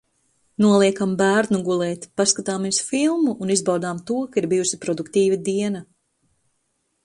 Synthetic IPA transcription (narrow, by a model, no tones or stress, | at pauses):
nuɔlˠiɛkambæːɾnuɡulˠɛːt̪paskat̪aːmiɛsfilˠmuʔːnizbawd̪aːmt̪uɔkaiɾbijusipɾɔd̪ukt̪iːvad̪iɛnɐ